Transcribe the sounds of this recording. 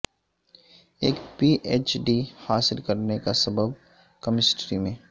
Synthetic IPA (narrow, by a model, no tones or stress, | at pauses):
eːkpiːʔeːt͡ʃɖihaːsɪlkɐɾnekasɐbəb | kɐmɪsʈɾimẽː